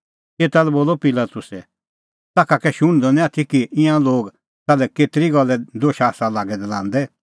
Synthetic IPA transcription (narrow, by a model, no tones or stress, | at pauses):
eːt̪alɛboːlɔpɪlat̪ʊsɛ | t̪aːkʰakɛʃʊɽ̃d̪ɔnɛ̃aːt̪ʰikiʔɪãloːɡ | t̪aːlɛkeːt̪ɪɾiɡɐlːɛd̪oːʃaːsalaːɡɛd̪ɐlãːnd̪ɛ